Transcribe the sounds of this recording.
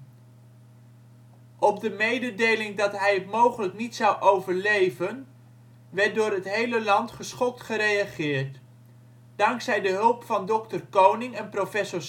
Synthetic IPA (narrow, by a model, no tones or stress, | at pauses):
ʔɔb̚dəmejdədejlɪŋdɑtɦɛjətmowχələknitsɑwʔowvəɹlejvən | ʋɛɹt̚dʊːɾɦətɦejləlɑntχəsχɔk̚tχəɾejɑχɪːɹt | d̥ɑŋksɛjdəɦɵlˠpfɑndɔk̚tərkownɪŋɛnprofɛsɔɹ